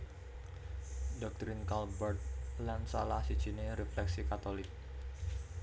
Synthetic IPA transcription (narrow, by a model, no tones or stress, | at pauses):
dɔk̚t̪ɾɪnkalbɛrt̪̚lansa̰lahsid̥ʒ̥i̤neɾɛflɛksikat̪olɪk̚